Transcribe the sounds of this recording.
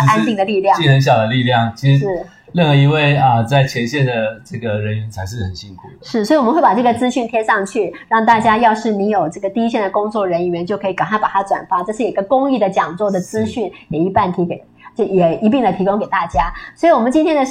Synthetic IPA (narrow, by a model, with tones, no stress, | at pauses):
a˥nt̪i˥˩ŋd̪ə˩li˥˧ljɑ˥˩˥xə˧˦nɕjɑ˨˩ʊd̪ə˦li˥˧ljɑ˥˩ŋt͡ɕʰi˧˥ʂɻ̩˧˥˩ | lə˥˩nxɤ˧˥i˧˥we˥˩ɪə˧t͡sa˥˩ɪt͡ɕʰjɛ˧˥nɕjɛ˥˩nd̪ə˩ʈ͡ʂɤ˥˩ɡə˩ɻə˧˥ny˧˥nt͡sʰa˧˥ɪʂɻ̩˥˩xə˨˩nɕi˥ŋkʰu˨˩ʂɻ̩˥˩swɔ˧˥i˨wɔ˨mə˦˥we˥˩ɪpa˨˩ʈ͡ʂɤ˥˩ɡə˩t͡sɹ̩˥ɕy˥˩nt̪ʰjɛ˥ʂɑ˥˧ŋt͡ɕʰy˥˩ɻɑ˥˧ŋt̪̬a˥˩t͡ɕja˥jɑ˥˧ʊʂɻ̩˥˩ni˧˥njo˨˩ʊʈ͡ʂɤ˥˩ɡə˩t̪i˥˧i˥ɕjɛ˥˩nd̪ə˩kʊ˥ŋt͡swɔ˥˩ɻə˧˥ni˨˩ɥɛ˧˥nt͡ɕjo˥˩ʊkʰɤ˧˥i˧˥˩ka˨˩a˥pa˨˩t̪ʰa˥ʈ͡ʂwa̰˨˩nfa˥ʈ͡ʂɤ˥˧ʂɻ̩˥˩ji˥ɡə˧kʊ˥ŋi˥˩d̪ə˩t͡ɕjɑ˨˩ŋt͡swɔ˥˩d̪ə˩t͡sɹ̩˥ɕy˥˩njɛ˨˩i˧˥pa˥˩nt̪ʰi˧˥ke˨˩ɪ | t͡ɕjo˥˩jɛ˨˩i˧˥p̬i˥˩ŋd̪ə˩t̪ʰi˧˥kʊ˥ŋke˨˩ɪt̪a˥˩t͡ɕja˥swɔ˧˥i˨˩wɔ˨˩mə˦nt͡ɕi˥nt̪ʰjɛ˥nd̪ə˨